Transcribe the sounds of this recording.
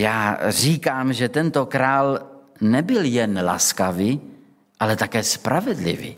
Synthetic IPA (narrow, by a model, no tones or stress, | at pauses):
jaːriːkaːmʒɛt̪ɛnt̪okɾaːlnɛbɪljɛnla̰skavi | ʔalɛt̪akɛːspɾʔavɛdlɪ̰vḭ